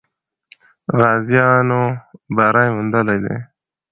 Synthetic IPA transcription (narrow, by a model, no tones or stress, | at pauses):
ɣɑːzijɑnobaɾɑjmʊnd̪əlajd̪ḛ